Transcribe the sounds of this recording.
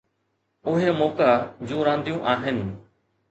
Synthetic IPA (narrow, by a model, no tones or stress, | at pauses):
ʊɦemɔːkad͡ʑũːɾãːnd̪ijũʔaːɦɪnɪ̆